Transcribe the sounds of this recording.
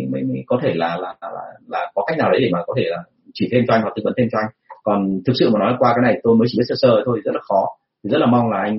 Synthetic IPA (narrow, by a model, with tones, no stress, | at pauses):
mə˨˦jjkɔ˨˦t̪ʰe˧˩laː˨˩laː˨˩˨la̰ː˨˩laː˨˩kɔ˨˦ka˦˥k̚na˨˩ɗə˨˦jɗe˧˩maː˨˩kɔ˨˦t̪ʰe˧˩laː˨˩ | t͡ɕi˧˩t̪ʰe˧mt͡ɕɔ˧a˧jŋhwa˨˩ɨ˨˧˦və̰˨˦nt̪ʰe˧mt͡ɕɔ˧a˧jŋ̟kɔ˨˩nt̪ʰɨ˨˩k̚sɨ̰˧˨maː˨˩nɔ˨˦lkwaː˧kaː˨˦jna˨˩jt̪o˧jməː˨˦t͡ɕi˧˩ɓt̚səː˧səː˧˩˨t̪ʰo˧jʰi˨zt̚laː˨˩xɔ˨˦ | t̪ʰi˨˩zə˦˥t̚laː˨˩ma˧wŋ͡mlaː˨˩ʔa˧jŋ